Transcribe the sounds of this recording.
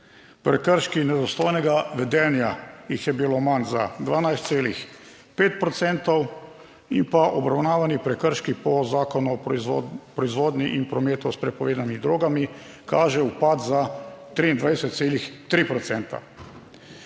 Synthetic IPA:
pɾɛkəɾʃkinɛd̪ɔst̪oːjnɛɡaʋɛd̪ɛːnjajixjɛbilomanza̰d̪ʋaːnajst̪seːlix | peːt̪̚pɾɔt̪sɛnt̪ɔw | impaʔɔbɾawnaːʋanipɾɛkəɾʃkipɔzaːkɔnu | pɾɔizʋoːd̪nʲiʔinpɾɔmeːt̪ɔspɾɛpɔʋeːd̪anmid̪ɾoːɡami | kaːʒɛupaːt̪zat̪ɾiːnd̪ʋajsɛt̪t̪seːlixt̪ɾipɾɔt̪sɛnt̪a̰

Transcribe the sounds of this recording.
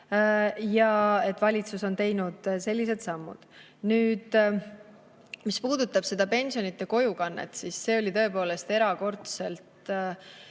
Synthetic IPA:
jɑe̞t̪ːvɑlʲit̪suso̞nt̪e̞jnud̪̥se̞lʲːis̬e̞d̪̥sɑmːṵd̪̥ | nyːd̪̥ | mispuːd̪̥ut̪ːˑɑb̥se̞d̪̥ɑpe̞nʲsio̞nit̪ˑːe̞ko̞jukɑnːḛt̪ˑsisːe̞ːo̞lʲit̪ɤ̞e̞po̞ːle̞st̪e̞ɾɑko̞rt̪se̞lt̪

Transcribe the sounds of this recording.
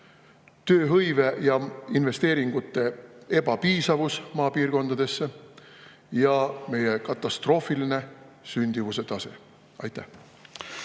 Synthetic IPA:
t̪ø̞ːɦɤjve̞jɑinve̞st̪eːɾiŋɡ̥ut̪ːˑe̞e̞b̥ɑpiːsɑvusmɑːpiːrko̞nd̪̥ɑd̪̥e̞sːe̞ | jɑme̞je̞kɑt̪ːˑɑst̪ro̞ːfiline̞synʲd̪̥ivuse̞t̪ɑse̞̰ | ɑ̰jt̪ːˑæh

